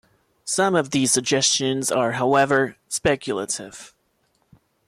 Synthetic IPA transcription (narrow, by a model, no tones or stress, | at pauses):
sʌ̃mʌvðiz̥sɨɡ̚d͡ʒɛst͡ʃɨ̃nzə˞ɦaʊɛvə˞spɛkʰjl̩ˠə̰ɾɪ̰v̥